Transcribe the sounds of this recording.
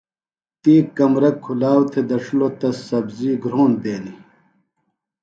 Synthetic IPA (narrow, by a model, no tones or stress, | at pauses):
t̪iːkɐmɾɐkʰːulaːwt̪ʰed̪ɐʂulot̪ɐsɐbziːɡɾoːnd̪eːni